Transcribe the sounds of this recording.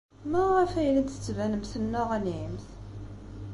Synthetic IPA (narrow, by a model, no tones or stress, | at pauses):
mæʁæfæjlæt̪θə̥t͡sːvænəmθənːʊʁænʕimθ